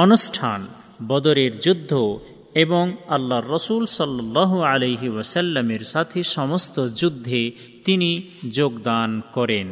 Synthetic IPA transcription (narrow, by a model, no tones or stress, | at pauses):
ɔnusʈʰan | bɔd̪oɾeɾd͡ʑud̪ʱːo | eboŋalːaɾːɔsulsɔlːɔlːɑɦualejɦiwɐsɐlːameɾsat̪ʰeʃɔmost̪od͡ʑud̪ʱːe | t̪ini | d͡ʑoɡd̪ankɔɾen